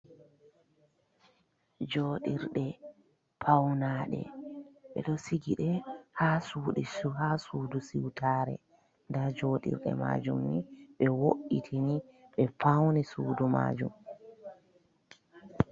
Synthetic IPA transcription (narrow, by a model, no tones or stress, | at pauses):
d͡ʒoːɗiɾɗɛ | pʰawnaːɗɛ̰ɓɛ̰ɗɔsiɡiɗɛhaːsuːɗɛsuhasuːdusiwtʰaːɾɛ̰ | ndad͡ʒoːɗḭɾɗɛ̰ma̰ːd͡ʒumːiɓɛwoʔitʰiniɓɛfawnisuːduma̰ːd͡ʒum